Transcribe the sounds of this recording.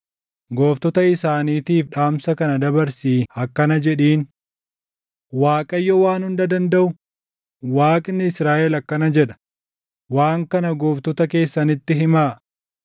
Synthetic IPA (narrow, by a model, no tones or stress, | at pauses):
ɡoːft̪ɔt̪ɐɪsaːniːt̪iːfᶑaːmsɐkɐnɐd̪ɐbɐɾsiːɐkːɐnɐd͡ʒɛᶑiːn | waːkʼɐjːɔwaːnhʊnd̪ɐd̪ɐnd̪ɐʔʊ | waːkʼɪnːɪɪsɾaːʔɛlɐkːɐnɐd͡ʒɛᶑɐ̥ | waːŋkɐnɐɡoːft̪ɔt̪ɐke̞ːsːɐnɪt̪ːɪɦɪmaː